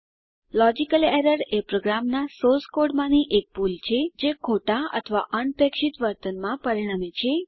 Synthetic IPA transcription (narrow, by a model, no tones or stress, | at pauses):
lɔd͡ʒikəleɾəɖepɾoɡɾamnasolskoɖmãniʔek̚pult͡ʃʰed͡ʒekʰoʈaə̰t̪ʰəʋa̰ʔəɳp̪ekʃit̪ʋəɾt̪ənmãpəɾiɽ̃amet͡ʃʰe